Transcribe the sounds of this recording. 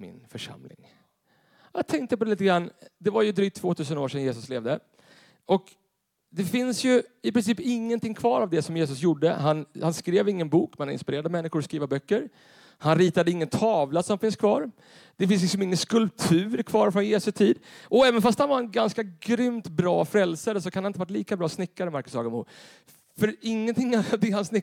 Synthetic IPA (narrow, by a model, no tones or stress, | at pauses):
mɪ̰nfœʂa̰mlɪ̰ŋ | jat̪ʰɛŋk̚t̪əp̬ʰɔd̪ɛliːt̪əɡɾanːd̪ɛvaɾjɵd̪ɾyːk̚t̪ʰvoːt̪ʰʉ̟ːs̬ənoːʂɛnjeːsɵsleːvd̪ə | ʔɔk | d̪ɛfɪnsjɵɪpɾɪnsiːpɪŋːənt̪ɪŋkʰvɑːɾavd̪ɛsɔmjeːs̬ɵsjuɖːəɦanhanskɾeːvɪŋːənbuːkmɛnaɾɪ̰nspɪɾeːɾad̪mɛnːɪxʊɾɔskɾiːvabœkːəɾ | hanɾiːt̪ad̪əɪŋːənt̪ʰɑːvlasɔmfɪnskʰvɑːɾ | d̪̥ɛfɪns̬lɪks̬ɔmɪŋːənskɵlp̚t̪ʰʉ̟ːɾkʰvɑːɾfɾɔnjeːsɵt̪ʰiːd̪ʔɔɛːvənfast̪hanvaɾɛnɡanskaɡɾʏmt̪bɾɑːfɾɛlsaɾəsɔkʰanhanɪnt̪əvaʈ̬ːliːkabɾɑːsnɪkːaɾəmaɾkɵshɑ̰ːɡəmṵː | fœɾɪŋːənt̪ʰɪŋːavd̪ɛhansnɪ